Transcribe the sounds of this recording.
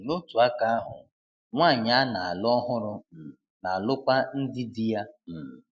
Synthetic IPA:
no˦tu˨a˦ka˦a˦ɦʊ̰˨ | ŋʷaː˦˨ɲa˨˦na˨a˨lʊ˦ɔ˦ɦʊ˦ɾʊ˦˨na˨a˨lʊ˦kʷa˦n̩˦dɪ˦di˦ja˦m̩˨m̩

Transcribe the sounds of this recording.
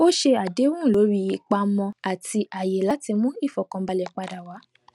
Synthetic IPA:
o˦ʃe˧a˨de˨˦wũ˦˨lo˨˦ɾi˧i˧k͡pa˧mɔ̃˧a˨ti˧ʔa˨je˨la˨˦ti˧mũ˦i˦˨fɔ˨kɔ̃˧ba˧lɛ˨k͡pa˧da˨wa˨˦

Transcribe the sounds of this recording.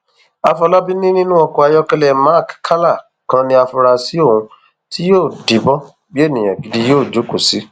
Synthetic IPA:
a˧fɔ˧la˦bi˦nĩ˦nĩ˦nũ˦ɔ˧kɔ˧a˧jɔ˧kɛ˧lɛ˨ma˦˨kkʰa˦la˦˨ | kã˦nĩ˧˦a˧fɔ˧ɾa˧si˨˦o˦˨hũ˧˦ | ti˦joː˦˨di˨˦bɔ˦ | bi˦e˦˨nĩ˨j̃ã˨ɡi˧di˦joː˦˨d͡ʒo˨˦ko˨si˨˦

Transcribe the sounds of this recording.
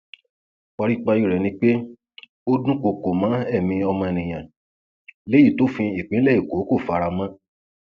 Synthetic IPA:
k͡pɔ˧ɾi˦k͡pa˧i˦ɾɛ˨nĩ˧˦k͡pe˦ | o˦dũ˦ko˧ko˨mã˨˦ɛ˦˨mĩ˧ɔ˧mã˧˨nĩ˨j̃ã˨ | le˦ji˦˨to˨˦fĩ˧i˨k͡pĩ˨˦lɛ˦˨i˨ko˨˦ko˦˨fa˨˧ɾa˧mã˦

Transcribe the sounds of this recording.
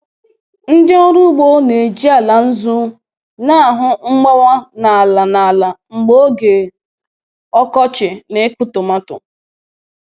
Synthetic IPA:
n̩˦dɪ˦ɔ˦ɾu˦ɡ͡bo˦ne˨d͡ʒi˦a˨la˨n̩˦zu˦ | na˦a˨ɦʊ˦ŋ͡m̩˦ɡ͡ba˦wa˦na˨a˨la˨na˨a˨la˨ŋ͡m̩˨ɡ͡bo˦ɡe˨ | ɔ˦kɔ˦t͡ʃɪ˨ne˨˦kʊ˦tʊ˨ma˦tʊ̰˨

